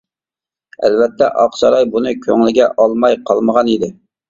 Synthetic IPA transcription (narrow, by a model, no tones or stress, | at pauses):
æ̰lvɛt̪ʰːɛʔɑqsɑɾɑjbunɨkʲʰøŋlɪɡʲɛʔɑlˠmɑjqʰɑlˠməʁɑnid̪ɪ